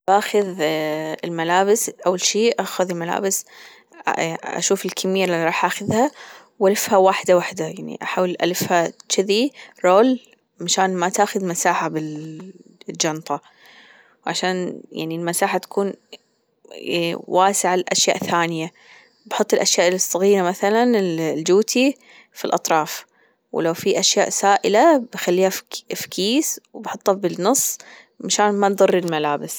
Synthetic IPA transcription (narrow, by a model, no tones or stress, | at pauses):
baːxʊð | ɪlmalaːbɪsʔawːalʃiːʔaxʊðˤilmala̰ːbɪs | ʔa̰ʃuːfɪlkʰɪmɪjːaliɾˤɑːħʔaːxʊðha | wʔalɪfhawaːħɪd̪awaħd̪ajaʕnḭʔaħaːwɪlʔa̰lɪfhat̪t͡ʃɪðiɾˤoːl | maʃaːnmat̪aːxʊðmasaːħabɪl | ld͡ʒɑnt̪ˤɑ | wʕaʃaːnja̰ʕnilmasaːħat̪ḁkʰuːn | wʔaːsɪʕalʔaʃja̰ːʔθaːnɪja | bħʊt̪ˤːɪlʔaʃjaːʔɪlsˤːɑɣiːɾamaθalanɪlld͡ʒuːt̪ʰi | filʔɑt̪ˤɾˤɑːf | wlawfiʔaʃjaːʔsaːʔɪlabxalːiːhafkʰiːswbħʊt̪ˤːabɪnɨsˤː | maʃaːnmat̪d̪ˤɨrːilmalaːbɪs